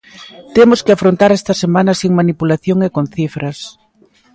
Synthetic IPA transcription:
t̪emoskɪafɾont̪aɾɛst̪ɐsemãnɐsiŋmanipulaθjoŋekonθifɾɐs

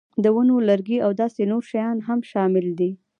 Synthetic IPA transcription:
d̪əwənolaɾɡiawd̪ɑsenoɾʃajɑnɦamʃɑmɪld̪i

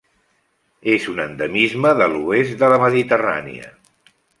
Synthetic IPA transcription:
ezunənd̪əmizməðəluezd̪ələməðit̪əra̰nḭə̰

